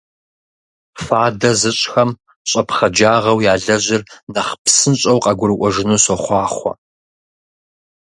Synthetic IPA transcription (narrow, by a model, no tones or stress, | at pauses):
faːdɐzɨɕʼxɐm | ɕʼɐpχɐd͡ʒaːʁɐwjaːɮɐʑɪrnɐχpsɨnɕʼɐwqʼɐɡʷʊɾɨkʷʼɔʒɪnuːsoχʷɑːχʷɐ̰